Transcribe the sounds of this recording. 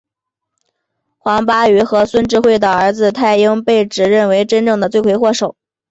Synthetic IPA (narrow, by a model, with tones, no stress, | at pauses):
xwɑ˧˥ŋpa˥y˧˥xɤ˧˥swə˥nʈ͡ʂɻ̩˥˧xwe˥˩ɪd̪ə˩ə˞˧˥d͡zɹ̩˧t̪ʰa˥˩ɪi˥ŋpe˥˩ɪʈ͡ʂɻ̩˨˩ɻə˥˩nwe˧˥ɪʈ͡ʂə˥nʈ͡ʂɤ˥˩ŋd̪ə˩t͡swe˥˩ɪkwe˧˥ɪxwɔ˥˩ʂo˨˩˦ʊ